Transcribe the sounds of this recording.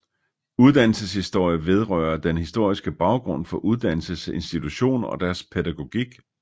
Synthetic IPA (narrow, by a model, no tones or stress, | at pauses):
uð̞ˠd̥æn̰l̩səshisd̥o̝ɐ̰jəʋe̝ð̞ˠʁœɐd̥enhisd̥o̝ɐ̰isɡ̥əb̥ɑ̈ʊɡ̥ʁɔ̽n̰fɒ̽ʔuð̞ˠd̥æn̰l̩səse̝nsd̥it͡sʰuɕo̝̰ːnɒ̽d̥æɐspʰedæɡ̥o̝ɡ̥iɡ̥